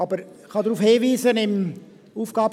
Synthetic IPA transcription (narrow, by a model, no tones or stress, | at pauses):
ɑbəɾ | χɑdɾuːfheːviːzənɪm | uːfɡ̥ɑːb